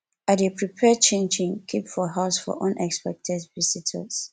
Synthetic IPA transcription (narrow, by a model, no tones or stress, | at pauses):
atepʰɹipʰɛd̚t͡ʃʰẽnd͡ʒĩŋkʰipfɔɦaʊsfɔ̰ʔʌ̃nʔɛkspɛk̚tʰɛdvisitʰə̰s